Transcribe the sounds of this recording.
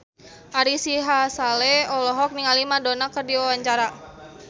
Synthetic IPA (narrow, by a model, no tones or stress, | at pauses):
ʔaɾisiɦasalɛɔlɔɦɔk̚niŋalimadonakərdiɔwaɲt͡ʃaɾa